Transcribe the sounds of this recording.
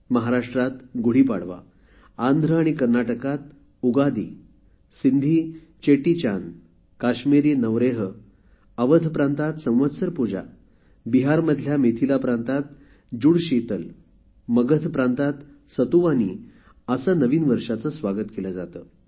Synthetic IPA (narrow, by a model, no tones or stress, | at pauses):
məɦaɾaʂʈɾat̪ɡuɽ̤iːpa̰ɽ̤ʋa̰ː | nd̪ʱɾəaɽ̃ikəɾnaʈəkat̪̚ | uɡad̪iː | sind̪ʱiː | t͡ɕeʈit͡ɕan | kaɕmiɾjənəʋɾeɦə | əʋət̪ʰpɾãnt̪at̪sə̃w̃ʋət̪səɾpud͡ʑa̰ | biɦaɾməd̪ʱljamet̪ʰilapɾant̪at̪̚ | d͡ʑuɽɕit̪əl | məɡət̪ʰpɾãnt̪at̪ | sət̪uʋanḭː | əsənəʋiːnʋəɾʂat͡səːsʋaɡət̪keləd͡zat̪ə̰ː